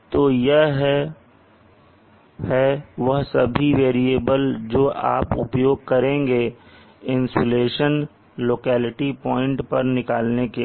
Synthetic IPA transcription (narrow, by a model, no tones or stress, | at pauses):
t̪oːjɐɦɦɛ | hɛʋɐɦsɐbʱiʋeːɾieːbəld͡ʒoːʔa̰ːpʊ̰pjoːɡ̚kɐɾẽːŋɡe | ɪ̃nsoleːʃən | loːkɛːlɪʈipɔ̃ːɪ̃ɳʈpɐɾnɪkaːlneke